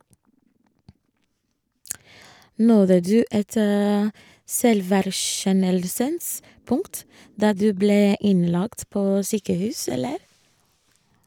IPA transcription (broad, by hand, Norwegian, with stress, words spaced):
ˈnɔðə ˈdʉː ˈɛt ə ˈsɛlʋæɾˌʃɛnəlsəns ˈpʊŋt ˈdɑː ˈdʉː ˈbleː ˈɪnˌlɑkt ˈpoː ˈsyːkəˌhʉːs ˈɛləɾ